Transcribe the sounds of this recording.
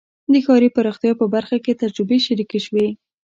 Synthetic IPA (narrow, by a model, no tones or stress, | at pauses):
d̪əxɑɾipəɾoxt̪jɑpəbaɾxaket̪ad͡ʒɾəbeʃaɾikeʃwi